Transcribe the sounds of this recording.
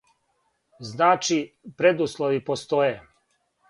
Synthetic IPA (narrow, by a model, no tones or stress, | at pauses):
znaːt͡ʃipɾed̪uslˠoʋipost̪oje